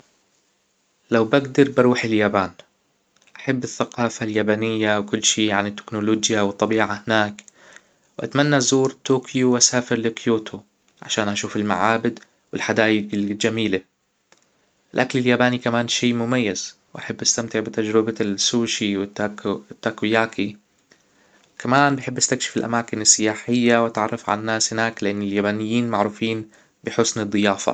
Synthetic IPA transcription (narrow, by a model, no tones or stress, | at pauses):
lawbaɡd̪ɑɾˤbɪɾˤuːħɪljaːbaːn | ʔaħabːɪθːaqɑːfaljaːbanɪjːawkʊlːʃiːʕanɪt̪ːɪ̥knʊloːd͡ʒjawɨt̪ˤːɑbiːʕahɪnaːk | wʔa̰t̪manːazuːɾt̪oːkʰjuwʔasaːfɪɾlɪkjuːt̪ʰʊ | ʕa̰ʃaːnʔaʃuːfɪlma̰ʕaːbɪd̪ | wɪlħad̪aːjɪɡɪld͡ʒamiːla | ʔɪlʔaklɪljaːbaːnikamaːnʃiːmʊmajːazwʔaħɪbːʔast̪amt̪ɪʕbɪt̪ad͡ʒɾɪbasuːʃiwɪt̪ːaːkujaːkʰi | kʰamaːnbɪħɪbːʔast̪akʃɪ̥fɪlʔa̰maːkɪnɪsːɪjaːħɪjːawʔat̪ʕɑrˤːɑfʕa̰lanːaːshɪnaːklɪʔanːɪljaːbaːnɪjːiːnmaʕɾuːfiːn | bɪħʊsnɨd̪ˤːɨjaːfa̰